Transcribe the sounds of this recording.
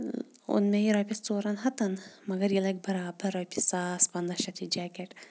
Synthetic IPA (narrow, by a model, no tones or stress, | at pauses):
ṵnmejiɾɐːpʲist͡soːɾɐnɦɐt̪ɐnmɐɡɐɾjilɐk̚bɐɾaːbɐɾɐːpʰʲisaːspɐnd̪ɐʃɐt̪ʰid͡ʒæːkʲeʈ